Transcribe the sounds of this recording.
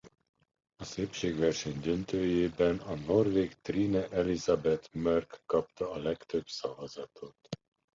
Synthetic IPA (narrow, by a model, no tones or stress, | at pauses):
ɒseːpʃeːɡʋɛrʃɛɲd̪ø̞nt̪øːjeːbɛnɒno̞rveːkt̪riːnɛʔɛlizɒbɛt̪mørkːɒp̚t̪ɒːlɛkt̪ø̞bsɒvɒzɒt̪ʰot̪